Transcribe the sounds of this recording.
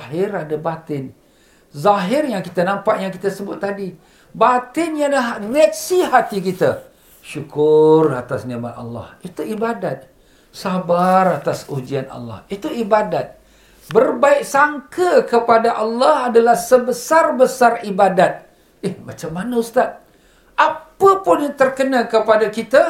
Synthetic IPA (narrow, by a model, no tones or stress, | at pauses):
ɦɪradabat̪ɪn | zaɦɪrjaŋkit̪anampaʔjaŋkit̪asəbʊt̪ːadi | bat̪ɪnjalaɦriak̚sihat̪ikit̪a | ʃukʊrat̪asniamat̪̚a̰lːɑ̰hit̪uibadat̪̚ | sabarat̪asud͡ʒianɑ̰lːɑ̰hit̪uibadat̪̚ | bərbaɪk̚saŋkəkəpadaʔalːɑhadalahsəbəsarbəsaribadat̪̚ | ɪhmat͡ʃamːanaust̪at̪̚ | ʔapəpʊnjat̪ərkənãkəpadakit̪a